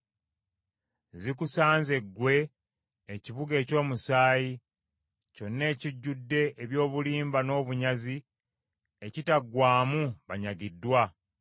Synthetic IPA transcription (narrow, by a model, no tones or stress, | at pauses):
zik̬usaːnze̞ɡwe̞ː | ciβuɡe̞ːco̞ːmusaːji | co̞nːe̞ːciɟːudːe̞ʔeβjo̞ːβuliːmbano̞ːβuɲazi | ecitaɡwaːmuβaɲaɡidːwa